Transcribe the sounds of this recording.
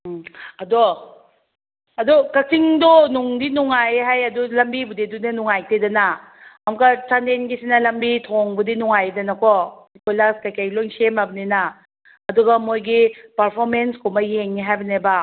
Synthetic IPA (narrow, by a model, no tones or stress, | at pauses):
ɐdo | ɐdukɐk̚tʰiŋdɔnuŋdinuŋajɦajɐdulɐmbibudidunɐnuŋajtedɐna | amkat͡ʃantenɡisinɐlɐmbitʰoŋbudinuŋajdɐnɐkʰɔikojlaskajkʰajlojŋsemabɐnena | ɐduɡɐmojɡipɐɾpʰoɾmenskʰomɐjeŋːiɦajbɐneba